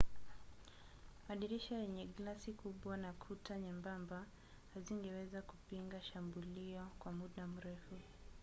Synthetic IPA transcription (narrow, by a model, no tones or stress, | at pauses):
maɗiɾiʃajɛɲɛɡlasikuɓwanakʰutaɲɛmbamba | haziŋɡɛwɛzakupiŋɡaʃambuliɔkwamuɗam̩ɾɛfu